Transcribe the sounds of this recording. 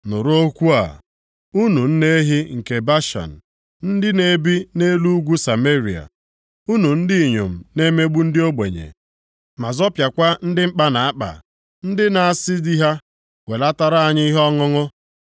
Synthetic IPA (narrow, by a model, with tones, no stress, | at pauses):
nʊ˨ɾo˦kʷu˦a̰˨ | u˦nu˨n̩˦ne˦ɦɪ˦ŋ̩˨ke˨ba˦ʃa̰˨n̩˨ | n̩˦dɪ˦ne˦bi˦ne˦lu˦ɡʷu˦sa˨me˦ɾi˨a̰˨ | u˦nu˨n̩˦dɪ˦˨ɲo̰˨m̩˨ne˦me˦ɡ͡bu˦n̩˦dɪ˦o˦ɡ͡bḛ˨ɲḛ˨ | ma˨zɔ˦pja˨kʷa˦n̩˦dɪ˦m̩˦k͡pa˦na˨a˦k͡pa̰˨ | n̩˦dɪ˦na˨a˨sɪ˦di˦ɦa˦ | we˨la˦ta˨ɾa˦a˨ɲɪ˦i˦ɦɔ˦ŋʊ˦ŋʊ˦